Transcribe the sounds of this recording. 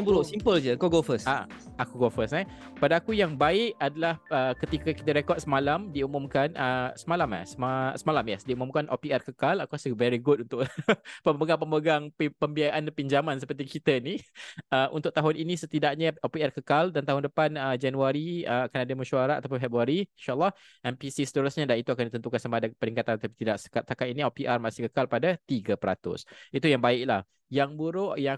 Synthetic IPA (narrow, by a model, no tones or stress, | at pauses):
aŋbuɾosimpəld͡ʒəkɔɡɔfəsa̰ | akuɡɔfəsna | padaːkujaŋbaɪʔadalahəkət̪ikəki̥t̪əɾekɔt̚səmalamdiumumkanəsəmalama̰səmasəmalamjasdiumumkanʔo̰piɛrkəkalakuasəvɛɾiɡut̚unt̪ʊʔpəməɡaŋpəməɡaŋpəmbiajaʔanpiɲd͡ʒamansəpərt̪̬ikit̪əniəʔṵnt̪ʊkʔ̚t̪aɦʊnʔinisət̪idaʔɲaopiarkəkaldant̪aɦʊndəpanəd͡ʒanuaɾiəakanadəmuʃuaɾat̪at̪apʊnfɛbɾuaɾinʃaʔəlːˠɑh | ʔɛmpisisə̥t̪əɾusɲadanit̪uakandit̪ənt̪ukansamadapəɾiŋkat̪ant̪apit̪idaʔsə̥kat̪̚sakaniniopiʔarmasɪ̥hkəkalpadat̪iɡəpəɾa̰t̪ʊ̰sit̪ujaŋbaɪʔ̚lah | jaŋbuɾʊʔja